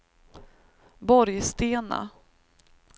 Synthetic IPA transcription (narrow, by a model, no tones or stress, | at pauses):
bɔɾjst̪eːna̰